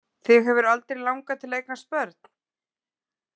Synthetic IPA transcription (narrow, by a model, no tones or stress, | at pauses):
θɪɣɦɛvʏɾalt̪ɾejlawŋkat̪ʰɪleːjknaspœɾt̪̚n̥